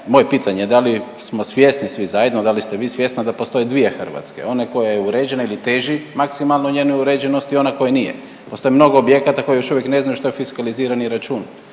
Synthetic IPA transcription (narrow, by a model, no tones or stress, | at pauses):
mo̞je̞piːt̪ʰaɲed̪ali | smo̞sʋjest̪nisʋizajed̪nod̪alist̪eʋiːsʋje̞st̪nad̪apo̞st̪o̞jed̪ʋiexr̩ʋa̰t̪ske̞̰o̞neko̞jajeuɾeːd͡ʑenailit̪eːʒimaksimalˠnoɲeːnojuɾeːd͡ʑenost̪io̞nako̞jenijḛ | post̪o̞jemno̞ɡoobje̞kat̪ako̞jejo̞ʃuʋjekneznajuʃt̪ojefiskaliziːɾaniɾat͡ʃuːn